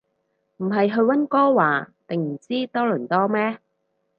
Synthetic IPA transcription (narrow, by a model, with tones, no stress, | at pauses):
m̩˨˩ɦɐ˨jɦɵ˧ɥwɐ˥nkɔː˥waː˨˩t̪ɪ˨ŋm̩˨˩t͡siː˥t̪ɔː˥lɵ˨˩nt̪ɔː˥mɛː˥